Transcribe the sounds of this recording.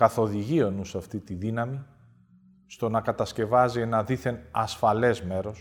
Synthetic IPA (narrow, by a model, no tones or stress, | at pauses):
kɐθo̞ðiʝio̞nusɐft̪it̪iðinɐmi | st̪o̞nɐkɐt̪ɐsce̞vɐzie̞nɐðiθe̞nɐsfɐle̞zme̞ɾo̞s